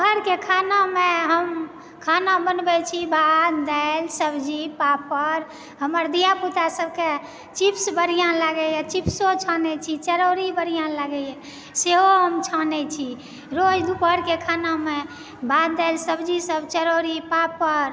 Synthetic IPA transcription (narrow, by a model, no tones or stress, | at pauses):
ɦəɾkekʰanameɦəm | kʰanabənbɛt͡ʃʰibad̪d̪ɛlsəbd͡ʒipapːəɾ | ɦəməɾd̪ijaput̪asəb̚ke | t͡ʃipsbəɾ̤ijãləɡɛjɛt͡ʃipsot͡ʃʰanɛt͡ʃʰit͡ʃəɾoɾibəɽ̤ijãləɡɛɛ | seɦoɦəmt͡ʃʰanɛt͡ʃʰi | ɾod͡ʒd̪upəɾkekʰaname | bad̪̚d̪əɪlsəbd͡ʒisəbt͡ʃəɾoɾipapːəɾ